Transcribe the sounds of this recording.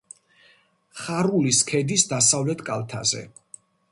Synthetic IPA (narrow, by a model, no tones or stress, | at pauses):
χaɾuliskʰɛd̪isd̪asavlɛt̪ʰkʼalˠt̪ʰa̰zɛ̰